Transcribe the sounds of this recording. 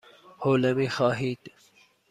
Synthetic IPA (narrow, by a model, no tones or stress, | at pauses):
hoːlɐmixɑːɦiːt̪